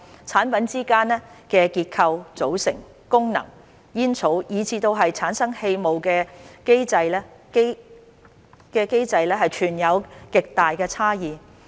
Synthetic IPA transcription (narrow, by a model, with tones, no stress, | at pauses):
t͡sʰaː˨˥npɐ˨˥nt͡siː˥kaː˥nːɛː˥kɛː˧kiː˧t̚kʰɐ˧wt͡so˨˥wsɪ̰˨˩ŋ | kʊ˥ŋnɐ̰˨˩ŋ | jiː˥nt͡sʰo˨˥wjiː˨˧t͡sʰiː˧t̪o˧wɦɐ˨jt͡sʰaː˨˥nsɐ˥ŋhe˧jmo˨wkɛː˧ke˥jt͡sɐ˧jlɛː˥ke˥ | kɛː˧ke˥jt͡sɐ˧jlɛː˥ɦɐ˨jt͡ʃʰyː˨˩njɐ˨˧wkɪ˨k̚t̪aː˨jkɛː˧t͡sʰaː˥jiː˨˧